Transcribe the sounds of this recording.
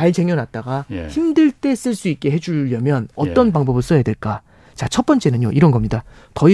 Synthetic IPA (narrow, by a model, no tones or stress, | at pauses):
aɭt͡ɕeŋjʌnɦat̚t͈aɡaçimdɯɭt͈e̞s͈ɯɭs͈uik̚k͈e̞ɦe̞d͡ʑuʎːʌmjʌnʌt͈ʌnbaŋbʌbɯɭs͈ʌjadweɭk͈a | t͡ɕat͡ɕʰʌt̚p͈ʌnt͡ɕ͈e̞nɯɲjoʔiɾʌnɡʌmɲida | tʌi